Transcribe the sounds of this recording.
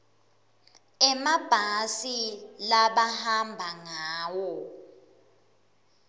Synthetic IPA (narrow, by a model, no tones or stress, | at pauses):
ɛmab̥ʱasilaɓahambʱaŋaːwɔ